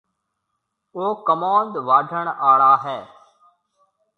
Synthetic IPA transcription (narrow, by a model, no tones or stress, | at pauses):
oːkəmãːnd̪ʋaːɖʱəɳ̃aːɽaːɦɛː